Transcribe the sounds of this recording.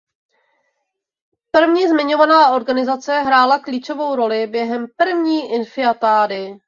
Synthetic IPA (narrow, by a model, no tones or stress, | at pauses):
pr̩vɲiːzmɪɲo̞vanaːʔo̞ɾɡanɪzat͡sɛɦɾaːlakliːt͡ʃo̞vo̞wɾo̞lɪbjɛɦɛmpr̩vɲiːʔɪnfɪat̪aːdɪ